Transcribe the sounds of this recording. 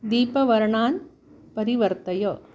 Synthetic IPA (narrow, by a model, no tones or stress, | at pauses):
d̪iːpɐʋɐɾɐɳaːn | pɐɾiʋɐɾt̪ɐjoː